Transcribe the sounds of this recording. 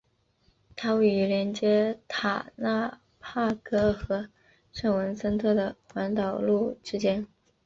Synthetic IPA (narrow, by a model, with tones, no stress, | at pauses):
t̪ʰa˥we˥˩ɪy˧˥ljɛ˧˥nt͡ɕjɛ˥t̪ʰa˨˩na˥˩ | pʰa˥˩kɤ˥xɤ˧˥ | ʂa˥˩ŋwə˧˥nsə˥nt̪ʰɤ˥˩d̪ə˩xwa˧˥nt̪ɑ˨˩ʊlu˥˩ʈ͡ʂɻ̩˥t͡ɕjɛ˥n